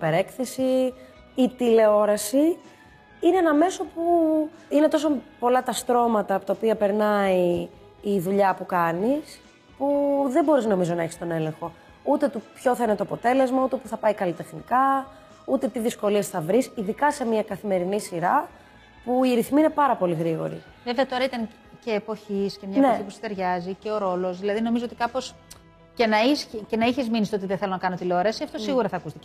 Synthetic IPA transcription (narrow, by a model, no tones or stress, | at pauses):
ipeɾe̞kθe̞siː | t̪ile̞o̞ɾɐsi | ineenɐme̞so̞puine̞t̪o̞s̬opo̞lɐt̪ɐst̪ɾo̞mɐt̪ɐːpo̞t̪ɐopiɐpe̞ɾnɐiː | ðuʎɐpukɐnis | puðe̞bo̞ɾizno̞mizo̞nɐeçi̥st̪o̞ne̞lẽ̞ŋxo̞ | ut̪e̞t̪upço̞θɐinet̪oɐpot̪e̞le̞zmɐut̪e̞puθɐpɐikɐlit̪e̞xnikɐ | ut̪e̞t̪iðisko̞liesθɐvɾisiðikɐse̞miɐkɐθime̞ɾinisiɾɐ | puiɾiθmine̞pɐɾɐpo̞liɣɾiɣo̞̰ɾḭ | veveɐt̪o̞ɾɐit̪ɐŋ | ce̞ːpo̞çiscemɲɐmnetipusi̥t̪e̞ɾʝɐzice̞o̞ɾo̞lo̞zðilɐðino̞mizoot̪ikɐpo̞s | ce̞nɐiscenɐiçizminisit̪oot̪iðeθelo̞nɐkɐnot̪ileoɾɐsiɐft̪o̞ssiɣuɾɐθɐːkust̪ice